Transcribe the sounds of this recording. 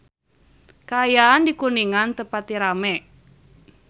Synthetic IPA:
kaːjaːndikuniŋant̪əpat̪iɾamɛ

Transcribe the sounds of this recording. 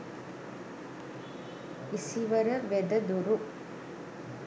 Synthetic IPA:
isiʋɐɾɐʋɛd̪ɐd̪uɾu

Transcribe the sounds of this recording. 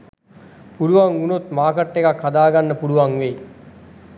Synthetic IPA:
puluʋaŋunot̪maːkəʈːekakʰːad̪aːɡanːəpuluʋaŋʋe

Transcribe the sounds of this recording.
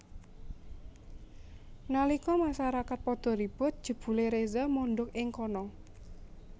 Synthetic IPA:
nalikɔmaʃaɾakat̪̚pɔd̪̥ɔ̤ɾib̥ʊt̪̚d̥ʒ̥ə̤b̥ṳleɾezamɔnɖ̪ʊkɪŋkɔnɔ

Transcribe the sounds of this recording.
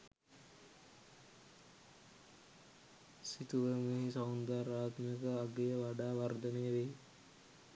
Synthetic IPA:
sit̪uʋəmeɦisaund̪aɾaːt̪mijəkəaɡejəʋaɖaːʋard̪ənejəʋe

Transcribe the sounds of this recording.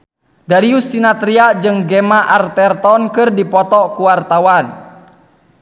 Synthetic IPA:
daɾiusinat̪ɾiad͡ʒɨŋɡɛmaʔart̪ɛrt̪ɔnkɨrdipɔt̪ɔkuwart̪awan

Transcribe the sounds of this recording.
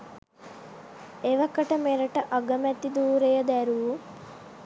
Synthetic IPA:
eʋɐkːɐʈɐmeɾɐʈɐʔɐɡɐmɛt̪ːid̪uːɾejɐd̪æɾuʋu

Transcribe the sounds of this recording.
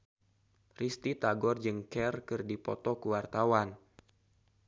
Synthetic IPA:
rist̪it̪aɡɔrd͡ʒɨŋkɛrkɨrdipɔ̰t̪ɔkəwart̪awan

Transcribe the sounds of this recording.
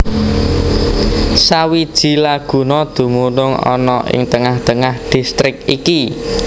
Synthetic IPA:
sawid̥ʒ̥i̤laɡ̥ṳnɔd̪̥ṳmunʊŋɔ̰nɔʔɪ̰ŋt̪əŋaht̪əŋahɖ̥i̤st̪ɾɪk̚iki

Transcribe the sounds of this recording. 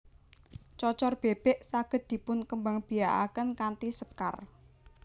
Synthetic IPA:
t͡ʃɔt͡ʃɔrb̥eb̥ɛʔsaɡ̥ə̤t̪̚d̪̥i̤pʊnkəmbaŋb̥i̤aʔa̰kənkant̪isəp̚ka̰r

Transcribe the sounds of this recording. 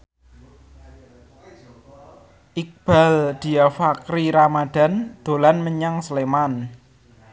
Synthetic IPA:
ʔik̚b̥a̤ld̪̥i̤afakɾiɾamad̥a̤nd̪̥o̤lanməɲaŋsəleman

